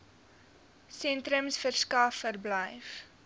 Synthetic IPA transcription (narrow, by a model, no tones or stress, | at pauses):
sɛntɾəmsfərskɐfːərbləjf